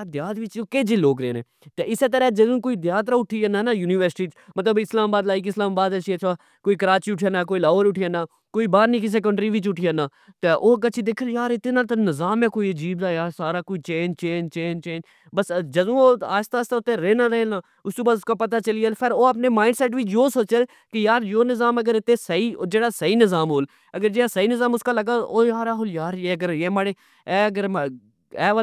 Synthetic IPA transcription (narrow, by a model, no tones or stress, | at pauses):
ad̪jaːd̪ʋɪt͡ʃokeːd͡ʒiːloːɡɾḛːnḛ̃ːt̪eɪseːt̪əɾɛːd͡ʒəzũːkoːid̪jaːt̪ɾaːʊʈʰiːənaːnaːjuːniːʋəɾsʈiːt͡ʃmət̪ləbɪslaːmːbaːd̪laːɪkɪslaːmːbaːd̪ət͡ʃʰiət͡ʃʰaː | koːikəɾaːt͡ʃiːʊʈʰianaːk̬oːilaːʋəɾʊʈʰiːənaː | koːiːbaːɾniːkis̬ekəɳʈɾiːʋɪt͡ʃʊʈʰiənaː | t̪eʔoːkət͡ʃʰid̪eːkʰəljaːɾɪt̪nãːt̪nəzaːmɛ̃ːkoːiəd͡ʒiːbd̪aːjaːsaːɾaːkoːit͡ʃeːnt͡ʃeːnt͡ʃeːnt͡ʃeːn | bəsd͡ʒəd̪ũːoːa̰ːst̪aːst̪aːʊt̪ẽɾeːnaːɾenaː | ʊst̪uːbaːʊskaːpət̪aːt͡ʃəlɪelpʰɪɾoːəpneːmaːɪ̃ɳɖsɛːʈ̬ʋiːjoːsoːt͡ʃəl | kɪjaːɾjoːnɪzaːməɡəɾɪt̪ːẽːsəɦiːd͡ʒeːɽaːsəiːnɪzaːmɦoːl | əɡəɾd͡ʒeːaːsəiːnɪzaːmʊskaːləɡaːoːjaːɾaːɦoːljaːɾeːəɡəɾjeːmaːɽeː | ɛːəɡəɾ | ɛːʋə